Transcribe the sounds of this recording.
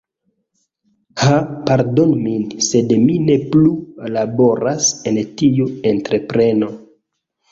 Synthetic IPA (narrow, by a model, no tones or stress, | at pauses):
hapaɾdo̞nminse̞dmine̞plulabo̞ɾasentijuentɾe̞pɾe̞no̞